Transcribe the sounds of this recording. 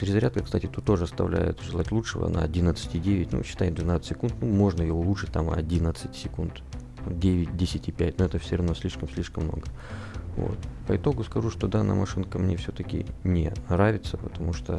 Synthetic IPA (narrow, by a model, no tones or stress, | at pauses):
t͡ɕɾʲɪzɐɾʲat̪̚kəkst̪atʲɪt̪ut̪ːo̞ʐɨɐst̪ɐvlʲæ̰jɪ̰t̪ʐɨlˠatʲlˠut͡ʂʂɨvə̰na̰ɐdʲinət̪sɨ̥tʲɪdʲevʲɪtʲnṵɕːɪ̥t̪anʲɪd̪vʲɪnat̪sə̥sʲɪkunt̪numo̞ʐnəjɪvoʊlˠuʂɨt̚ʲt̪amɐdʲinət̪sɨtʲsʲɪkunt̪ | dʲevʲɪt̚ʲdʲesʲɪtʲɪpʲætʲnoɛt̪əfsʲɪrɐvnosʲlʲiʂkəmsʲlʲiʂkəmːno̞̰ɡə | vo̰t̪pəɪt̪o̞ɡʊskɐʐuʂt̪od̪anə̰mɐʂɨnkəmnʲefsʲot̪əkʲɪ̰nʲɪ̰nɾavʲɪt̪səpət̪ɐmuʂt̪o